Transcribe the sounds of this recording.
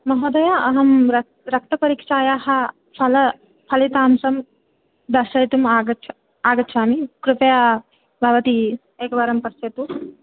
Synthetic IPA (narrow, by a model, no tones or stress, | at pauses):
mɐɦoːd̪ɐjaɐɦɐmɾɐ | ɾɐk̚t̪ɐpɐɾiːkʂaːjaːhɐ | pʰɐlɐ | pʰɐlit̪aːmsɐm | d̪ɐʃɐjt̪umaːɡɐ | aːɡɐtːʃʰaːmikɾupɐja | bʱɐʋɐt̪i | eːkɐʋaːɾɐmpɐst̪et̪u